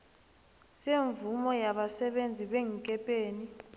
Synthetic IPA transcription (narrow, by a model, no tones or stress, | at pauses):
seɱvumɔjaɓasɛɓend͡zʱiɓeŋ̩kʼɛpʼeːni